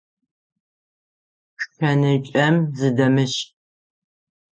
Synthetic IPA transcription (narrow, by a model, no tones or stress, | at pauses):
xɐnɨt͡ʃʼɐmzɨdɐmɨɕ